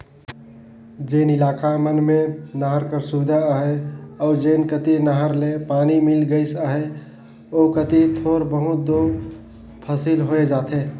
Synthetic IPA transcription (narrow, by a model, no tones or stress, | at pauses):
d͡ʒeːnɪlaːkamənmẽnəɦəɾkəɾsʊʋɪd̪ʱaɦeɔːɾd͡ʒeːnkət̪inəɦəɾlepaːnimɪlɡəɪsaɦe | oːkət̪it̪ʰoːɾbəɦʊt̪̚d̪oː | pʰəsilɦoːed͡ʒaːt̪eː